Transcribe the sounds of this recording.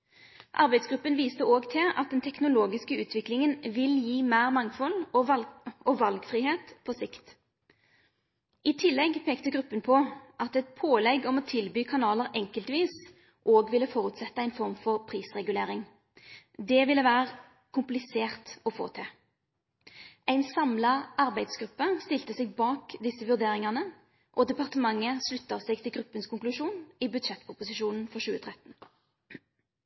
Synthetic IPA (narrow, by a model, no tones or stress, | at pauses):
ʔɑ̰ʁbæɪd̪sɡɾʉpːənʋiːst̪əoːɡt̪ʰɪlɑ̰t̪̚d̪ɛnt̪ʰɛknʊloːɡɪskəʉːt̪ʰʋɪklɪŋənʋɪljiːmæːʁmɑŋfɔlɔɑɔʋɑlɡfʁiːheːt̪pʰɔsɪkt̪ | ʔɪt̪ʰɪlːɛɡpʰeːkt̪əɡʁʉpːənpʰɔʔɑt̪ɛt̪̚pʰoːlɛɡɔmɔt̪ʰɪlbyːkʰɑnɑːləʁɛŋkəlt̪ʋiːs | ʔoːɡʋɪlːəfɔʁʉt̪sɛt̪ːəæɪnfɔʁmfɔʁpʰʁiːsʁɛɡʉleːʁɪŋ | d̪ɛʋɪlːəʋæːʁə | kʰʊmplɪseːʁt̪ɔfo̰ːt̪ʰɪ | ʔæɪnsɑmlɑɑʁbæɪd̪sɡɾʁʉpːəst̪ɪlt̪əsɛɡ̚bɑːkd̪ɪsːəʋʉʁd̪eːʁɪŋɑnə | ʔɔd̪ɛpɑʁt̪əmɑŋːəslʉt̪ːɑʋsɛːɡ̚t̪ʰɪlɡʁʉpːənskʊŋklʉʃuːnibʉd̪ʃɛt̪ːpʰʊpʊsɪʃuːnn̩fɔʁʃʉːət̪ʰʁɛt̪n̩